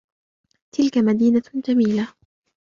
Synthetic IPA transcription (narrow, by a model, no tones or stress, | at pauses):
t̪ʰɪlkamad̪iːnad͡ʒamiːla